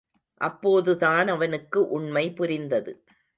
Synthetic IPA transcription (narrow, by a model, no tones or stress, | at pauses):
ʔɐpːoːðɯðaːnɐʋɐnɯkːɯʔʊɳmɐɪpʊɾɪnd̪ɐðɯ